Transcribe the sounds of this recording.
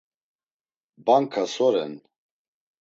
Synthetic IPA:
baŋkʰasɔɾɛ̰n

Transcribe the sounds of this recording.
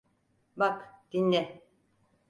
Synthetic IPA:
bakt̪inɛ

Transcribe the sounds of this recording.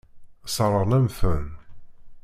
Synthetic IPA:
səɾˤəɾnæmfən

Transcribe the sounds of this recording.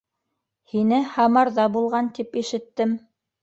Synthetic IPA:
hinɘhɑmɑɾðɑbulˠʁɑnt̪ipiʃɘ̆t̪ːɘm

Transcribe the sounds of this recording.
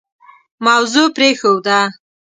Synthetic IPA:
mawzupɾexowd̪a

